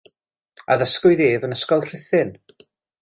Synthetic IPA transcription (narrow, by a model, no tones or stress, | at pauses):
a̰ðəskʊɨðeːvənəskɔlˠr̥ɪθɪn